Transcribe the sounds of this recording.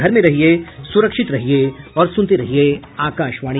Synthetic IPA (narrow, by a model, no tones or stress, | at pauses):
ɡʱɐɾmẽɾɐɦiesʊɾəkʃɪt̪ɾɐɦieɔːɾsʊ̃nt̪eɾɐɦieaːkaːʃʋaːɽ̃